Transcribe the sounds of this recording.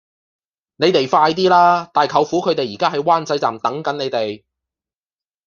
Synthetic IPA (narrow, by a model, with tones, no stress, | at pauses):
ne˨˧jt̪e˨˩jfaː˧jt̪iː˥laː˥t̪aː˨jkʰɐ˨˧wfuː˨˥kʰɵ˨˧ɥt̪e˨jiː˨kaː˥ɦɐ˨jwaː˥nt͡sɐ˨˥jt͡sa̰ː˨˩mt̪ɐ˨˥ŋkɐ˨˥nne˨˧jt̪e˨j